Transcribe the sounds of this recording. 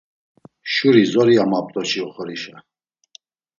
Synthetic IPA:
ʃuɾizɔɾiamap̚ʼt̪ʼɔt͡ʃʰiɔχɔɾiʃa

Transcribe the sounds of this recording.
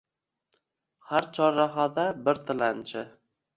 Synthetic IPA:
haɾt͡ʃʰɒɾːaɦad̪abɪɾt̪ʰɪlant͡ʃʰɪ

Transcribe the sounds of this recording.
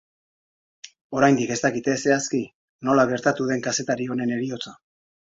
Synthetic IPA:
o̞ɾajnd̪ike̞st̪akit̪e̞se̞aski | no̞laɣ̞e̞ɾt̪at̪uðe̞ŋkase̞t̪aɾio̞ne̞ne̞ɾio̞t͡sa

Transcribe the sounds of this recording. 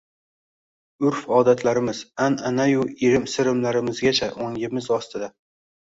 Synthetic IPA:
ʊɾfɒːd̪at̪ʰlaɾɪmɪz̥ananajʊiɾɪmsɪɾɪmlaɾɪmɪzɡʲat͡ʃʰaʔoŋʲɪmɪzɒst̪ʰɪd̪a

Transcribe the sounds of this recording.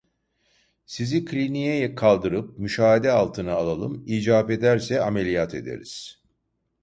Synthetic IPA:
sizikʰlʲinijɛjɛkʰalˠd̪ɯɾɯp̚myʃaːɦad̪ɛalˠt̪ʰɯnaalˠalˠɯmiːd͡ʒaːpe̞d̪æɾsɛamelʲijat̪ʰe̞̰d̪ḛɾḭz̥

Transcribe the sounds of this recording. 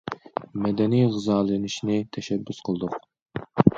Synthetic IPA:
mɛd̪ɛnijʁɨzɑːlɨnɪʃnɪt̪ʰɛʃɛbːysqʰəlˠd̪ʊq

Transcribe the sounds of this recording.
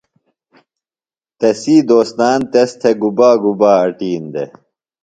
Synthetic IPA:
t̪ɐsiːd̪oːst̪aːnt̪est̪ʰeɡubaːɡubaːɐʈiːnd̪ḛ

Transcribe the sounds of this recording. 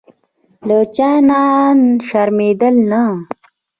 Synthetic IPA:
lət͡ɕananʃaɾmed̪əlna

